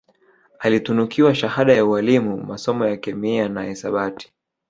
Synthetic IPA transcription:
alitunukiwaʃahaɗajaualimumasɔmɔjakɛmianaɛsaɓati̥

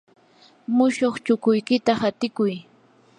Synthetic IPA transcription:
mʊʃoχt͡ʃʊkʊjkɪt̪ahat̪ɪkʊj

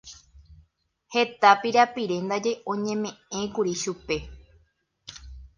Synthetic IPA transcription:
he̞t̪apiɾapiɾe̞nd̪ad͡ʒe̞ʔõ̞ɲẽ̞mẽ̞ẽ̞kuɾiʃupe̞

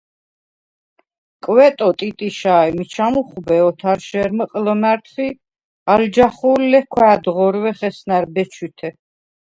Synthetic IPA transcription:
kʼwɛt̪ʼɔt̪ʼit̪ʼiʃaɛmit͡ʃʰamuχbɛɔt̪ʰaɾʃɛɾməqʼlɔmaɾt̪ʰχi | ald͡ʒaχullɛkʰwɛːd̪ʁɔɾwɛχɛsnaɾbɛt͡ʃʰwit̪ʰɛ

